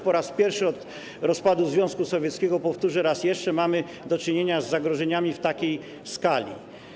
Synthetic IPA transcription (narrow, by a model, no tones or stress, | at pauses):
pɔɾaspʲjɛɾfʂɘɔt̪ | ɾɔspad̪uzvʲjɔ̃skusɔvʲjɛt̪skʲɛɡɔpɔft̪uʐɛɾasjɛʂt͡ʂɛmamɘ | d̪ɔt͡ʂɘɲeɲazːaɡɾɔʐɛɲamʲift̪akʲej | skalʲḭ